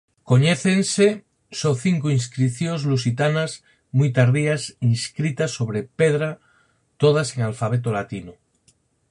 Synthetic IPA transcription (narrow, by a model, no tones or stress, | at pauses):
ko̞ɲeθense | soθiŋkoinskɾiθjonzlus̬it̪anaz | mujt̪aɾðiasinskɾit̪asːo̞β̞ɾe̞peð̞ɾa | t̪oð̞ase̞ŋalfaβ̞et̪̬olat̪ino